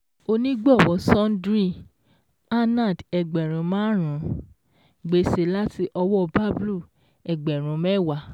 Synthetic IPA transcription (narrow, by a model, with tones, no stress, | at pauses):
o˧nĩ˦ɡ͡bɔ˦˨wɔ˨˦sɔ̃˦n˦dɾi˦˨ | a˦nã˦˨dɛ˧ɡ͡bɛ˨ɾ̃ũ˨˦mãː˦ɾ̃ũ˨˦ | ɡ͡be˧˦se˨˦la˦ti˧ʔɔ˧wɔ˦˧ba˦blu˦˨ | ɛ˨ɡ͡bɛ˨ɾ̃ũ˨˦mɛ˦˨wa˨˦